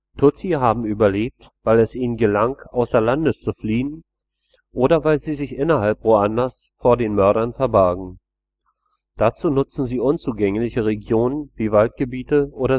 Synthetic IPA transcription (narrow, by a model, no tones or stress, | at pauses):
tʰʊt͡siɦaːbm̩yːbɐleːp̚t | v̥aɪlɛsʔiːnənɡəlaŋʔaʊsɛɐlandəst͡sufliːən | ʔoːdɐvaɪlziːzɪçʔɪnɐhalpv̥oːanlɐs | foːɐdeːnmœɐɾɐnfɛɐbɛɐɡŋ̩ | d̥at͡suːnʊt͡sn̩ziːʔʊnt͡suːɡɛŋlɪçəʁeɡjoːnənviːvalt̚ɡ̥əbiːtəʔoːɾɐ